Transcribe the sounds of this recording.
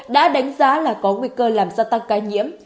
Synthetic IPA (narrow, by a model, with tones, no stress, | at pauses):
ɗa̰ː˧˥ɗa˨˦jŋ̟zaː˨˦laː˨˩kɔ˨˦ŋwḭ˧kəː˧laː˨˩mzaː˧t̪a˧ŋkaː˧ɲḭ˧˥əm